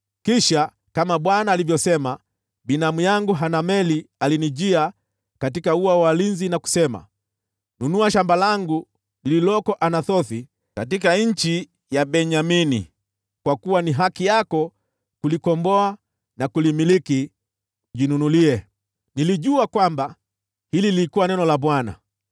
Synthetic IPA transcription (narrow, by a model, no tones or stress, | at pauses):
kiʃa | kamaɓwanaːlivjɔsɛma | binamujaŋɡuɦanamɛlialiniʄia | katikauawalinzinaku̥sɛma̰ | nunuaʃambalaŋɡu | nililɔkɔʔanaθɔθi | katikaɲ̩t͡ʃi | jabɛɲaminḭ | kwakuwaniɦakijakɔ | kulikɔmbɔa | nakulimiliki | ʄinunuliɛ | niliʄuakwamba | hilililikuwanɛnɔlabwana̰